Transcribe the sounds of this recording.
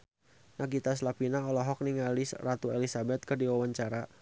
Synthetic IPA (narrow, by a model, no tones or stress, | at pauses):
naɡit̪aslapinaɔlɔɦɔk̚niŋalisrat̪uelisabɛt̪̚kərdiwawaɲt͡ʃaɾa